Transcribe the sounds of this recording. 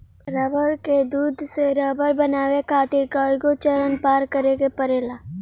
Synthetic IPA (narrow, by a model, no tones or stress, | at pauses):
ɾəbəɾked̪uːd̪ʱseɾɐːbəɾbɐnaːʋekʰaːt̪ikaɡot͡ʃəɾənpaːɾkəɾeɡepəɾeːlaː